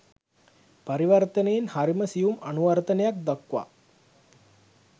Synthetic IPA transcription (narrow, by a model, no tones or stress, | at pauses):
paɾiʋɐrt̪ənejinhaɾiməsijumanuʋɐrt̪ɐnejak̚d̪akːʋa̰ː